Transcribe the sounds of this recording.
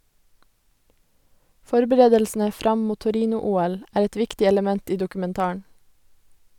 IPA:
ˈfɔɾbəɾeːdəlsn̩ə ˈfɾɑm ˈmuː tʊˈɾiːnʊˌuːɛl ˈæːɾ ˈɛt ˈʋɪktɪ ɛləˈmɛnt ˈiː dʊkʉmɛnˈtɑːɑɳ

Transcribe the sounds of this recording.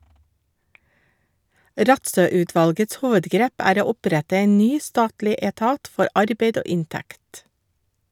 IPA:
ˈɾɑtsœˌʉːˌtʋɑlɡəts ˈhuːʋədˌɡɾeːp ˈæːɾ ˈoː ˈʊˌpɾætə ˈeːn ˈnyː ˈstɑːtlɪ eːˈtɑːt ˈfɔɾ ˈʔɑɾbeɪd ˈoː ˈɪnˌtækt

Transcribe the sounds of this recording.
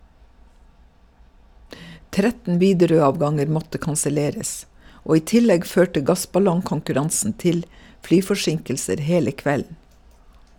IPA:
ˈtɾɛtn̩ ˈʋiːdɛɾøːˌɑːʋɡɑŋəɾ ˈmɔtə kɑnsəˈleːɾəs ˈoː ˈiː ˈtɪlɛɡ ˈføːʈə ˈɡɑsbɑlɔŋkɔŋkʉˌɾɑnsn̩ ˈtɪl ˈflyːfɔˌʃɪŋkl̩səɾ ˈheːlə ˈkʋɛln̩

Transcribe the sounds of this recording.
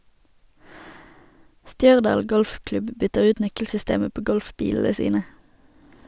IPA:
ˈʃtjœʁdɑːl ˈɡɔlfˌklʉb ˈbʏtəʁ ˈʉːt ˈnœkl̩sʏˌsteːmə ˈpoː ˈɡɔlfˌbiːll̩ə ˈsiːnə

